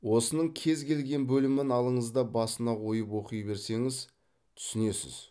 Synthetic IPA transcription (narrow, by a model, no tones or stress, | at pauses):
wo̞sənəɴkʲʰe̞zkʲʰe̞lɡʲe̞nbɵlɪmɪnɑlˠəɴəzd̪ɑbɑsənɑwo̞jəpwo̞qəjbe̞ɾse̞ŋɪz | t̪ʰʏ̥sɪne̞sɪ̰z̥